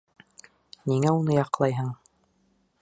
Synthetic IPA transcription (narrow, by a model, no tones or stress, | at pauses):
niŋæunɤjɑqlˠɑjɦɤɴ